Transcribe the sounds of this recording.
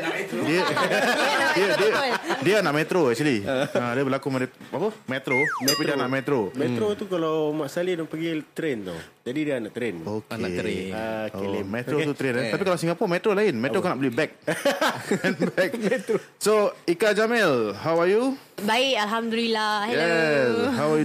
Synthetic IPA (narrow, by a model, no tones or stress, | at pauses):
diə | iədədianaʔmɛ̃t̪ɾoɛk̚t͡ʃəliadiəbəlakumad̪apəmɛt̪ɾoapidianaʔmɛt̪ɾomɛt̪ɾot̪ukalawmaʔsalidaŋpəɡit̪ɾent̪ṵ | d͡ʒadidianaʔt̪ɾenokna | omɛ̃t̪ɾot̪ut̪ɾenat̪apikalawsiŋɡapɔmɛt̪ɾolaɪnmɛ̃tɾokanaʔblibɛk̚ | ɛnbɛk̚ɛt̪ɾsoikad͡ʒamɛlɦawaju | baɪʔalɦamd̪ulilajɛshawaju